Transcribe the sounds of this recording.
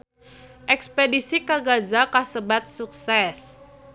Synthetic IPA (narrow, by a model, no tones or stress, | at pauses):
ʔɛkspedisikaɡazakasəbat̪̚suksɛs